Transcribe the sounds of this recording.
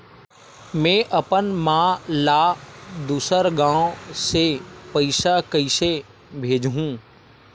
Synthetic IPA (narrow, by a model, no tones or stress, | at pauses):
mɛ̃ːʔɐpənmãːlaːd̪uːsəɾɡãːõsepəɪʃakəɪse | bʱeːd͡ʒɦũː